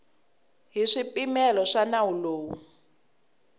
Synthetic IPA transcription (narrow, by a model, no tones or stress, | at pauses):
ɦiʂipimɛlɔʂanawuloːwu